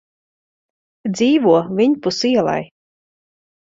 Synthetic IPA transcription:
d̪ziːvuɔvʲiɲpusiɛlˠa̰j

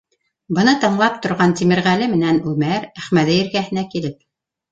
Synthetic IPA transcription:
bɤ̆nɤt̪ɤ̆ɴlˠɑp̚t̪ŏɾʁɑnt̪imɘ̆ɾʁælɘmɘ̆nænʉmæɾæχmæðɘjɘ̆ɾɡæɦɘ̆nækilɘp̚

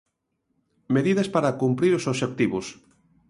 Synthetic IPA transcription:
meðiðɐspaɾakumpɾiɾosoβʃek̚t̪iβʊs

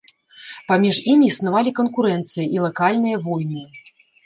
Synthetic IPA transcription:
pamʲiʐimʲiːsnavalʲikɐnkuɾɛnt̪sɨjɐʔilˠakalʲnɨjɐvɔjnɨ

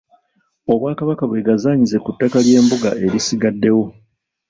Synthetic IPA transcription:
o̞βwaːkaβakaβwe̞ɡazaːɲize̞kutːakalje̞ːmbuɡa̰ʔe̞ɾisiɡadːe̞wo̞

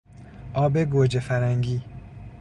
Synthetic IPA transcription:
ʔɒːbeɡod͡ʒefæɾæŋɡiː

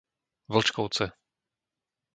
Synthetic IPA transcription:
vl̩t͡ʃkɔwt͡sɛ

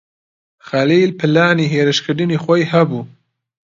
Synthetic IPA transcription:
xaliːlpʰɨlaːniːɦeːɾɨʃkʰɨɾd̪ɨniːxɔjhɐbuː

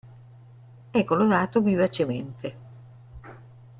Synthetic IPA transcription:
ɛkːoloɾaːt̪ovivat͡ʃement̪e

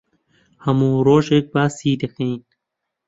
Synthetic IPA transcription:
hɐmuːɾoːʃek̚baːsiːd̪exiːn

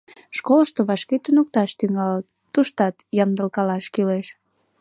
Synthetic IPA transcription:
ʃkoləʃt̪oβɑʃket̪unuk̚t̪ɑʃt̪yŋɑlː | uʃt̪ɑt̪jɑmd̪əlkɑlɑʃkileʃ

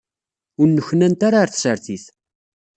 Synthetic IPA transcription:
ʊɾnːəçnænt̪aɾaɾθsəɾθiθ

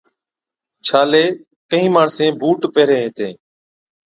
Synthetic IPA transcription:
t͡ʃʰaːleː | kəɦĩːmaːɳsẽːbʱuːʈpeːɾeːɦẽːt̪ẽː

